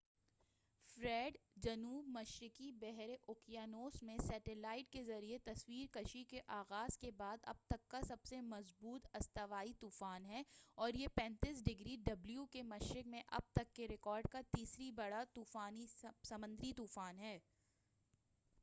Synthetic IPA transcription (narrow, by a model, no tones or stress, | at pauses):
fɾɛːɖd͡ʒɐnuːbmɐʃɾɪkibɛɦɾeʔʊkijaːnoːsmẽsɛːʈelaːɪʈ̚kezɐɾiet̪ɐswiːɾkɐʃikeʔaːɣaːz̥kebaːd̪ɐ̰b̚t̪ɐkːasɐbsemɐzbuːt̪ɐst̪əʋaːit̪uːfaːnɦɛːɔːɾjepɛ̃ːnt̪iːsɖɪɡɾiɖɐbljukemɐʃɾɪkmẽʔɐ̰b̚t̪ɐkːeɾɪkɔːɾɖ̚kat̪iːsɾibɐɽat̪uːfaːnisɐmə̃nd̪ɾit̪uːfaːnɦɛː